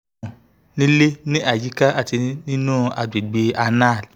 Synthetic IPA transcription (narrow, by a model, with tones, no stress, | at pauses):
nĩ˦le˦nĩ˦ʔa˦˨ji˨˦ka˦ʔa˦˨ti˧nĩ˦nũ˦˨a˧de˨ɡ͡be˧a˧na˦˨l